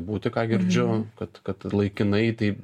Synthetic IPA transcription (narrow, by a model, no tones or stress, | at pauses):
buːt̪ʲɪkɑːɡʲɪɾʲd͡ʒʲʊkɐt̪kɐt̪lˠɐɪkʲɪnɐɪt̪ɐɪp